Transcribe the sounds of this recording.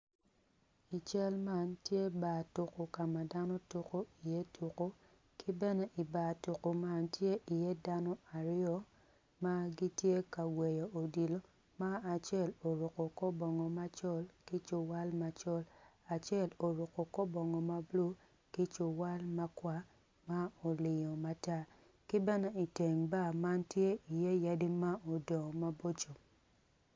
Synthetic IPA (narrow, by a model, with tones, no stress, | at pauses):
i˨t͡ʃɛ˦lma˦ntje˦ba˨tu˨ko˨ka˨ma˨da˦no˦tu˨ko˦i˨je˦tʰu˨ko˦ | kʰi˦bɛ˦nɛ˦ʔi˨ba˨tu˨ko˨ma˦ntje˦ʔi˨je˦da˦nɔ˦a˨ɾɪ˦ɔ˦ | ma˦ɡi˦tje˦ka˨wɛ˨jɔ˨ʔo˨di˨lo˦ | ma˦a˨t͡ʃjɛ˦˨lo˨ɾo˨ko˨kɔ˦bɔ˨ŋɔ˨ma˦t͡ʃɔ˦lki˦t͡ʃo˨wa˦lma˨t͡ʃɔ˦la˨t͡ʃɛ˦˨lo˨ɾʊ˨ko˨kɔ˦bɔ˨ŋɔ˨ma˦blu˦ | ki˦t͡ʃo˨wa˦lma˧kwa˦ | ma˦o˨lɪ˨jɔ˨ma˨ta˦ | ki˦bɛ˦nɛ˦i˨te˨ŋba˦˨ma˦ntje˦i˨je˦ja˦di˦ma˦o˨dɔ˨ma˦bo˦t͡ʃo˨